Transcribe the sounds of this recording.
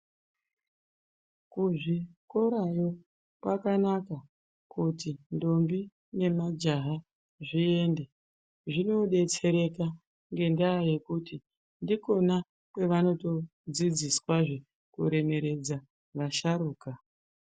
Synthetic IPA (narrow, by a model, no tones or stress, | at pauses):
kuʐiko̞ɾajo̞ | kwakanaka | kutindo̞mbi | ne̞mad͡ʒaɦa | ʐie̞nde̞ | ʐino̞ɗe̞t͡se̞ɾe̞ka | ŋɡe̞ndaːje̞kuti | ndiko̞na | kwe̞ʋano̞to̞ | d͡zid͡ziswaʐe | kuɾe̞me̞ɾe̞d͡za | ʋaʃaɾuːka